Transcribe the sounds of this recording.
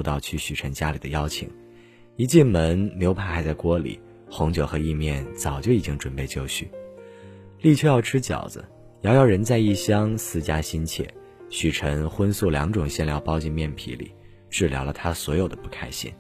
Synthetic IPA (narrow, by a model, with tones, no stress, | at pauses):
ʊt̪ɑ˥˧ʊt͡ɕʰy˥˩ɕy˨˩ʈ͡ʂʰə˧˥ŋt͡ɕja˥li˨˩d̪ə˦jɑ˥ʊt͡ɕʰḭ˨˩˦ŋ | i˧˥t͡ɕi˥˩nmə˧˥nljo˧˥ʊpʰa˥˩xa˧˥ɪt͡sa˥˩ɪkwɔ˥lḭ˨˩˦ | xʊ˧˥ŋt͡ɕjo˨˩ʊxɤ˧˥i˥˧mjɛ˥˩nt͡sɑ˨˩ʊt͡ɕjo˥˩ʊi˨˩t͡ɕi˥ŋʈ͡ʂwə˨˩npe˥˧ɪt͡ɕjo˥˧ʊt͡ɕʰy˥˩ | li˥˩t͡ɕʰɥɛ˥˧jɑ˥˩ʊʈ͡ʂʰɻ̩˥t͡ɕjɑ̰˨˩ʊd͡zə̰˦ | jɑ˥ʊjɑ˥˩ʊɻə˧˥nt͡sa˥˧ɪi˥˩ɕjɑ˥ŋsɹ̩˥˧t͡ɕja˥ɕi˥nt͡ɕʰjɛ̰˥˩ | ɕy˨˩ʈ͡ʂʰə˧˥ŋxwə˥nsu˥˩ljɑ̰˧˥ŋʈ͡ʂʊ˨˩ŋɕjɛ˥˧nljɑ˥˩ʊpɑ˥ʊt͡ɕi˥˧nmjɛ˥˩npʰḭ˧˥lḭ˨˩˦ | ʈ͡ʂɻ̩˥˩ljɑ̰˧˥ʊlə˧t̪ʰa˥swɔ˧˥jo˨˩ʊd̪ə˦pu˥˩kʰa˥ɪɕḭ˥˩n